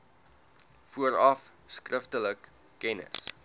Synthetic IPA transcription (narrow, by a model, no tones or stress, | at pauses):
fuəɾɐfskrəftələkː | ɛnə̰s